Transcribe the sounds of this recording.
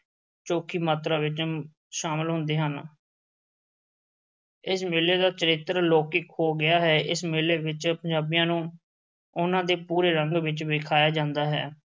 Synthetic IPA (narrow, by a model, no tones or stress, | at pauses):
t͡ʃoːkʰiːmaːt̪ɾãːʋɪt͡ʃ | ʃaːməlɦʊ̃nd̪eːɦən | ɪsmɪlːeːd̪aːt͡ʃəɾɪt̪ːəɾloːkɪkhoːɡɪjaːɦɛːʔɪsmɪlːeːʋɪt͡ʃpəɲd͡ʒaːbijãːnũː | ʊnãːd̪eːpuːɾeːɾəŋɡʋɪt͡ʃʋɪkʰaːjaːd͡ʒãːnd̪aːɦɛ̰ː